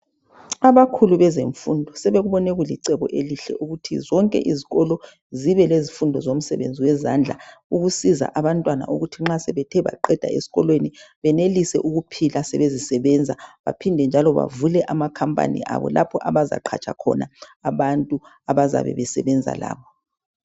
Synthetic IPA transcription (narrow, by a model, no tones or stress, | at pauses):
aβakʰuluβɛzeɱfundʱɔsɛβeɣuβɔneɣuliǀɛɣɔ̰ʔeliɬɛ̰ʔuɣutʰḭzɔŋkʼɛ̰ʔiziɣɔlɔ | ziβɛlezifundʱɔzom̩sɛ̰βḛnd͡zʱiwɛzand͡ɮʱa̰uɣusiza̰ʔaβantʼwana̰ʔuɣutʰiŋ͡ǁasɛβɛtʰɛβa̰ǃɛd̥ʱaesi̥ɣɔlweniβɛnelisɛ̰ʔuɣupʰilasɛ̰βezisɛβɛnd͡zʱaβa̰pʰindʱɛnd͡ʒʱalɔβa̰vulɛʔamakʰampʼa̰nḭʔa̰βɔ̰lapʰɔʔaβaza̰ǃʰa̰t͡ʃʰʼa̰kʰɔ̰naːβantʼu | aβaza̰βɛ̰βɛsɛβɛnd͡zʱa̰la̰ːβɔ